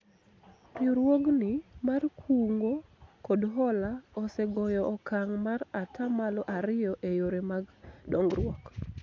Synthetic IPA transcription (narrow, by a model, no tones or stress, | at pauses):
ɾjoɾwoɡnɪmarkʰuŋɡokodɦɔlaɔsɛɡɔjɔɔkaŋmaɾatʰamalɔʔaɾɪjɔʔejoɾemaɡdɔŋɡɾwɔk